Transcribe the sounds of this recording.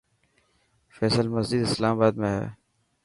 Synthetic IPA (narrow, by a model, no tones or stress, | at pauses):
fɛːsəlməzd͡ʒɪd̪ɪslaːmabaːd̪mẽɦɛ̰ː